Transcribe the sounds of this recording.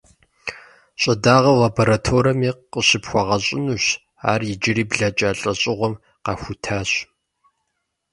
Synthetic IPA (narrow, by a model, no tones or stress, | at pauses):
ɕʼɐdaːʁɐlaboɾatʰoːɾɐmiːəɕɪpxʷɔʁɐɕʼɪnuɕ | a̰ːrjɪd͡ʒɪriːbɮɐt͡ʃʼaːɬʼɐɕʼɪʁʷɔm | qɑxʷʊtʰaːɕ